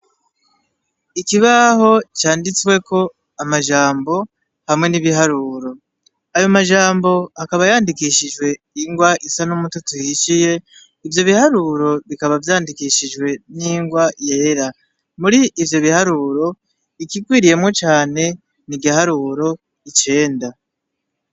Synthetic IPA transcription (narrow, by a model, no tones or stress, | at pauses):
ikiβaho̞t͡ʃaːndit͡swe̞ko̞ | amaʒaːmbo̞ | hamŋe̞niβiɦaɾuːɾo̞ | ajo̞maʒaːmbo̞akaβajaːndikiʃiʒwe̞ | iŋɡwaʔisanumututujiʃije̞ | ivjo̞βihaɾuɾo̞βikaβavjaːndikiʃiʒɡwe̞niːŋɡwaje̞ːɾa | muɾiːvjo̞βihaɾuːɾo̞ | ikikwiːɾije̞mŋo̞t͡ʃaːne̞ | niɡiɦaɾuːɾo̞ | it͡ʃe̞ːnda